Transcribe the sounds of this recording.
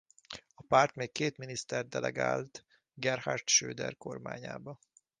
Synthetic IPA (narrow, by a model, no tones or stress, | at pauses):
ɒpaːrt̪meːkkeːt̪minist̪ɛrd̪d̪ɛlɛ̰ɡaːlt̪ | ɡɛrhart̪ʃøːd̪ɛ̰rko̞rma̰ːɲa̰ːbɒ